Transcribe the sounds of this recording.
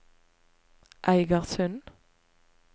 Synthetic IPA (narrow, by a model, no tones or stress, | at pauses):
ʔæɪɡɑʁsœn